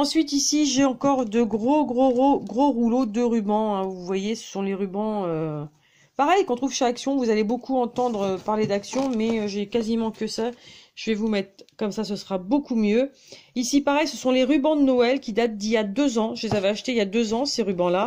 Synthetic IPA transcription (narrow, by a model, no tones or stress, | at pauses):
ɑ̃sɥit̪isiʒeɑ̃kɔʁd̪əɡʁoɡʁoʁoɡʁoʁulod̪əʁybɑ̃ɛ̃vuvwajesə̥sɔ̃leʁybɑ̃ø | paʁɛjkɑ̃t̪χuvʃaksjɔ̃vuzalebokuɑ̃t̪ɑ̃d̪ʁøpaʁled̪aksjɔ̃mɛøʒɛkazimɑ̃kʲəsaʒ̥əvɛvumɛt̪χkɔmsasəsʁabokumjø | isipaʁɛjsəsɔ̃leʁybɑ̃d̪ənɔɛlkʲid̪at̪̚d̪iljad̪øzɑ̃ʒəlezaveaʃt̪eiljad̪øzɑ̃seʁybɑ̃la